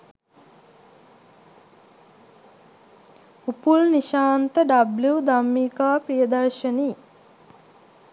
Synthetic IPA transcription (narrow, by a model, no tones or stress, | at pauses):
upulniʃaːnt̪əɖabljuːd̪amːiːkaːpɾijəd̪ɐɾʃəniː